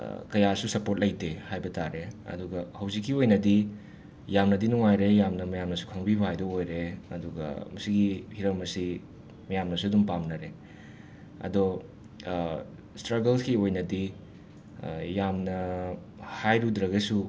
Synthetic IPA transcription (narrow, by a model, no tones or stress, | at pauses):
kɐjasusɐpot̚lɐjtʰehajbɐtaɾeɐ̰duɡɐhɐwzikʰːiojnɐdi | jamnɐdinuŋajɾejamnɐmɐjamnɐsu̥kʰɐŋbibɐɦajdoojɾeɐ̰duɡɐ̰mɐsiɡihiɾɐmɐsi | mɐjamnɐsuɐdumpamnɐɾe | ɐ̰do | stɾɐɡɐlskiojnɐdi | jamnɐ | hajɾudɾɐɡɐsu